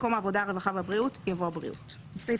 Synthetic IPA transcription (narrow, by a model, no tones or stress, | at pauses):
ko̞maːvo̞daaʁevaχavabʁiutjavoabʁḭʔṵt | fse